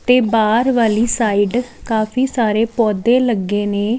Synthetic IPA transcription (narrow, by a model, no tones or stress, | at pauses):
t̪eːbaːɾʋaːliːsaːiːɖkaːpʰiːsaːɾeːpɔːd̪ẽːləɡeːneː